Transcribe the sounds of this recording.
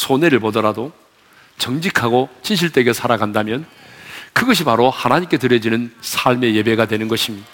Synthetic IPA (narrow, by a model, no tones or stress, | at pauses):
sʰoneɾɯɭpodʌɾado | t͡ɕʌŋd͡ʑikʰaɡot͡ɕʰinɕʰiɭt͈e̞ɡe̞sʰaɾaɡandamjʌnkɯɡʌɕ̬ʰipaɾohanaɲimk͈e̞tɯɾjʌd͡ʑinɯnsʰaɭme̞je̞be̞ɡadwe̞nɯnɡʌɕʰimɲida